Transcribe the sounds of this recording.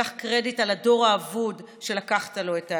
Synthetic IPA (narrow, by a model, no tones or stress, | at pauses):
aχkʁe̞ditalado̞ʁaːvud | ʃe̞lakaχtalo̞eta